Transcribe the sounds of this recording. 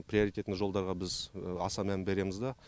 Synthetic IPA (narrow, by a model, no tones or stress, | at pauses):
prʲijo̞ɾit̪e̞t̪nʒo̞lˠd̪ɑɾʁɑbɪzɑsɑmænbe̞ɾe̞mɪzd̪ɑ